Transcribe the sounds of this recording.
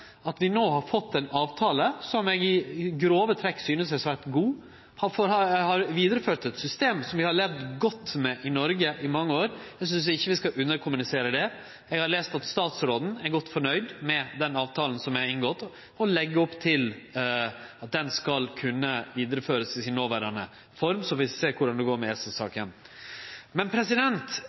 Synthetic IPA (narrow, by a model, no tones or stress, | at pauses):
ɑt̪ʋɪnoːhɑɾfɔt̪ːɛnɑːʋt̪ʰɑːləsɔmɛɡɪɡɾoːʋət̪ʰɾɛkːsyːnəsɛsʋæt̪ɡuː | hɑfɔɾɑhɑɾʋiːd̪əɾəføːʈ̪ɛt̪sʏst̪eːmsɔmʋɪhɑɾɭeʋd̪ɡɔt̪ːmɛʔɪnɔɾɡəʔɪmɑŋːəoːɾɛɡs̬ʏns̬ɪçːəʋɪskɑʔʉnːəɾkʰʊmʉnɪseːɾəd̪ɛ | ɛɡhɑɾleːst̪ɑt̪st̪ɑːt̪sɾoːd̪n̩æɾɡɔt̪ːfɔɳœʏd̪mɛd̪ɛnɑːʋt̪ʰɑːln̩sɔmæɾɪŋɡɔt̪ː | ɔlɛɡːəɔpːt̪ʰɪl | ɑt̪̚d̪ɛnskɑlkʰʉnːəʋiːd̪əɾəføːɾəsɪsɪnːoːʋæɖɑnə | fɔɾmsɔfɪseːkʰʊɖɑnd̪ɛɡoːɾmɛɛsəsɑ̰ːkən | mɛnpʰɾɛsɪd̪ɛnt̪